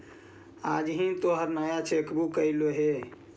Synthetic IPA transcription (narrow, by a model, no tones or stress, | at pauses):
ad͡ʒɦĩt̪oɦəɾnajat͡ʃʰekbukəiloɦe